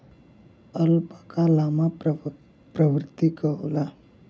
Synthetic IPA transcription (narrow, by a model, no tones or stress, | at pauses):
əlpakalama | pɾəʋɾt̪ikəɦla